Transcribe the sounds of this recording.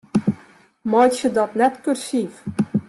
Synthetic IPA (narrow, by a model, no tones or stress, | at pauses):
mɔjtsədɔtnɛtkørsif